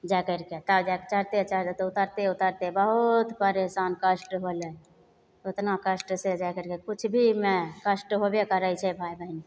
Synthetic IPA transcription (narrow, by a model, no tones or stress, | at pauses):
d͡ʒakəɾket̪əd͡ʒakt͡ʃəɾt̪et͡ʃəɾt̪et̪ut̪əɾt̪eut̪əɾt̪ebəɦut̪pəɾesankəsʈɦole | ot̪nakəsʈsed͡ʒakəɾkekut͡ʃʰbʱimekəsʈɦobekəɾəjt͡ʃʰɛbʱaibʱəini